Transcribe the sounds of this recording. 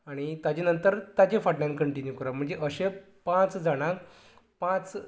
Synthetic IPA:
aɽ̃it̪ad͡ʑenənt̪əɾt̪ad͡ʑefaʈɳãnkəɳʈinjukəɾam̤əɳd͡zeʔəɕẽ | pãt͡sd͡zaɽ̃a | pãt͡s

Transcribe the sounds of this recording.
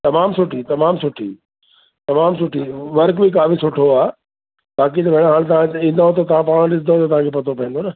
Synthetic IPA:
t̪ɐmaːmsʊʈʰit̪ɐmaːmsʊʈʰḭ | t̪ɐmaːmsʊʈʰiʋɐɾkbʱik̬aːfisʊʈʰoaː | baːkit̪ɐbʱɐ̃ãɦaːɽ̃t̪̬ɐʋãd͡ʑĩːnd̪aɦot̪̬ɐt̪ɐʋ̤ãpaːɽ̃ɗɪsnd̪aɦot̪ɐt̪ɐʋ̤ãːkʰepɐt̪ʰopɐɦə̃nd̪onɐ

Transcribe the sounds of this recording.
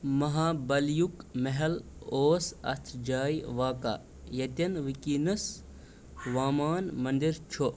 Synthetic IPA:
mɐɦaːbɐljukmɐɦɛloːsɐ̰st̪ʰd͡ʒaːjʋaːka̰ː | jɐt̪ʲɐnʋikiːnɐs | ʋaːmaːnmɐnd̪iɾt͡ʃʰo

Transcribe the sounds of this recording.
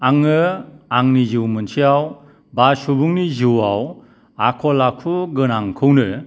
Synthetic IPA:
aŋɯaŋnizɯwmɯnsʰiaw | basubuŋnizɯwaw | akʰɔlakʰuɡɯnaŋkʰɯwnɯ

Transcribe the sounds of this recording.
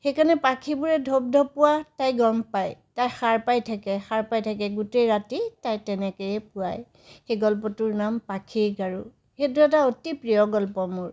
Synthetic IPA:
xejkanɛpakʰibuɹɛdʱob̚dʱɔpʊwatajɡɔmpajtajxaɹpajtʰakɛxaɹpajtʰak̬ɛɡutejɹatitajtɛnɛkɔjɛpʊaj | xejɡɔlpɔtʊɹnampakʰiɹɡaɹu | xetʊɛt̬aotipɹijɔɡɔlpɔmʊɹ

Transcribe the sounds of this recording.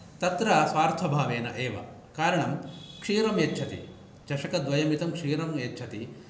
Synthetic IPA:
t̪ɐt̪ɾɐsʋaːɾt̪ʰɐbʱaːʋeːnɐʔeːʋɐ̰ | kaːɾɐɳɐmkʂiːɾɐmjɐtːt͡ʃʰɐt̪ḭ | d͡ʒɐʂɐkɐd̪ʋɐjɐmit̪ɐmkʂiːɾɐmjɐtːt͡ʃʰɐt̪i

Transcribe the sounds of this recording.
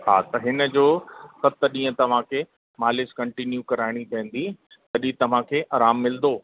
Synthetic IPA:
ɦa̰ːt̪ɐɦɪnə̆d͡ʑoːsɐt̪əɗĩːə̃t̪ɐʋ̤ãkʰe | maːlɪskɐ̃ɳʈɪnjukɐɾaːɪɽ̃ipɛ̃ɦə̃n̆d̪i | tɐɗĩt̪ɐʋ̤ãkʰeːʔɐːɾaːmːɪld̪oː

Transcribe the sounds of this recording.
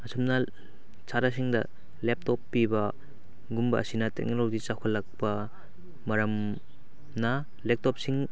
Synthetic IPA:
ɐsumnɐ | t͡ʃʰaɾas̬iŋdɐ | lep̚tɔpːibɐ | ɡumbɐ̰ʔːsinɐtḛk̚nɔlɔd͡ʒit͡ʃakʰalɐk̚pɐ | mɐɾɐm | na | lep̚tɔp̚siŋ

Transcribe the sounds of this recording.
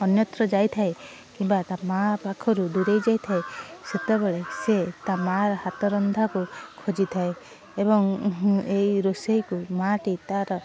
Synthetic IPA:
ɔnjɔt̪ɾɔd͡ʒajt̪ʰae | kimbat̪amapakʰɔɾud̪uɾejd͡ʒajt̪ʰaeset̪ebeɭeset̪amaɾɔhat̪ɔɾɔnd̪ʱakukʰod͡ʒit̪ʰae | ebɔŋejɾosejkumaʈit̪aɾɔ

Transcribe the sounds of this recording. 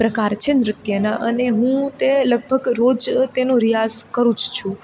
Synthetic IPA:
pɾəkaɾt͡ʃʰenɾɪt̪jənaʔəneɦũt̪eləɡ̚bʱəɡɾod͡ʒt̪enõɾijazkəɾũd͡ʒt͡ʃʰũ

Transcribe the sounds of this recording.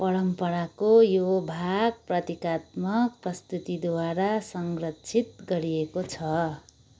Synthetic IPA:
pʌɾʌmpʌɽakojobʱaɡ̚prʌt̪ikat̪̚mʌk̚prʌst̪ut̪id̪waɾasʌŋɡrʌtt͡sʰit̪̚ɡʌɾiekot͡sʰʌ

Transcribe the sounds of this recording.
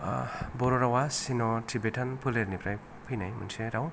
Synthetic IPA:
bɔɾoɾawasinɔtʰibetʰanpʰuleɾnipʰɾaj | pʰɯjnajmṵnseɾaw

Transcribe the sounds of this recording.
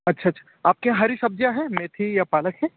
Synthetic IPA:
ɐtːʃʰaɐtːʃʰa | aːp̚keɦãɦɐɾisɐb̚d͡ʒjaɦɛmeːt̪ʰijapaːləkɦɛː

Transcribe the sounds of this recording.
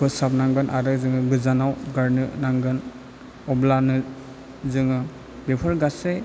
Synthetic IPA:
ɯsap̚naŋɡɯnʔaɾɯzɯŋɯɡɯzanawɡaɾnɯnaŋɡɯn | ɔblanɯ | zɯŋɯ | bepʰɯɾɡase

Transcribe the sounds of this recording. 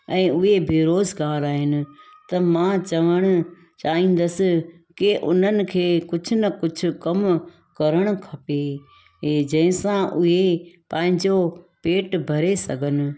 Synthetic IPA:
ɛ̃ːʊɦebʱeɾoːzɡaːɾaːɦɪnɪ̆t̪ɐmãt͡ɕɐʋəɽ̃ʊ̆ | t͡ɕaːɦĩːn̆d̪əsɪ̆ | kɪʔʊn̤ənɪ̆kʰeːkʊd͡ʑʱʊnɐkʊd͡ʑʱʊ̆kɐm | kɐɾəɽ̃ʊ̆kʰɐpe | ɦd͡ʑɐ̃ːɦɪ̃sãʔʊɦepɐ̃ɦɪ̃ɲd͡ʑopeːʈbʱɐɾesɐɡʱənɪ̆

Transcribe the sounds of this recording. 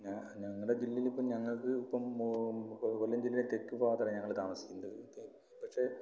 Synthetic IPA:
ɲaɲɐŋːɐɽed͡ʑilːilipːoːmɲɐŋːɐɭkɨːpːɐm | kolːɐmd͡ʑilːilet̪e̞kːupoːɐt̪ɐːeɲɐŋːɐɭt̪aːmɐsi̥kʲːunːɐð | pɐkʂe̞

